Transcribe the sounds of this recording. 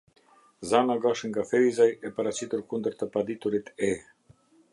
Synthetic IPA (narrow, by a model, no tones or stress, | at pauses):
zanaɡaʃiŋɡafɛizajɛpaɾat͡ɕit̪uɾkund̪əɾt̪əpad̪it̪uɾit̪ɛ